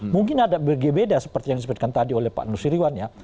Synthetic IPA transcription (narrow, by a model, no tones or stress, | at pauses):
muŋkɪnadabəɡebedasəpərt̪ijaŋdisəbʊt̪̚kant̪adiolɛhpa̰ʔnusiɾiwanja